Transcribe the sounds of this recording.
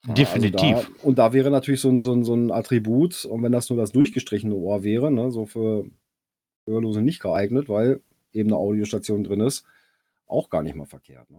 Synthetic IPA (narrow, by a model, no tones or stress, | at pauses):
defaiznidaaiːʊnt̚d̥aːvɛːʁ̞ənatʰyːɐlɪçz̥oːnzoːnzoːnʔa̰tʁ̥ibuːtʊntv̥ɛndasnuːɐdasd̥ʊɐçɡ̥əʃtʁ̥ɪçənəʔoːɐvɛːʁənəzoːfyːɐ | ʔøːɐloːzənɪçt̚ɡ̥əʔaɪɡnətv̥aɪl | ʔeːbm̩nəʔaʊɾioʃtat͡sjoːndʁɪnɪst | ʔa̰ʊxɡ̥aːɐnɪçtmaːfɛɐkʰḛːɐtnə